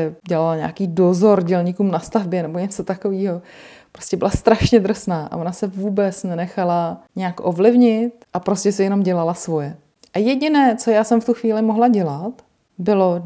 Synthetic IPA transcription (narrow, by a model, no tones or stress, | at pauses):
ɛɟɛlalaɲa̰ːkiːdozo̞ɾɟɛlɲiːkuːmnast̪avbjɛnɛbo̞ɲɛt͡so̞t̪ako̞viːɦo̞pɾoscɛbɪlast̪ɾaʃɲɛd̪r̩snaːʔa̰vonasɛvuːbɛt͡snɛnɛxalaɲɛjakʔovlɪvɲɪt̪ʔapɾo̞scɛsɪjɛno̞mɟɛlalasvo̞jɛ | ʔajɛɟɪnɛːt͡so̞jaːsɛmft̪uxviːlɪmoɦlaɟɛlat̪ | bɪlo̞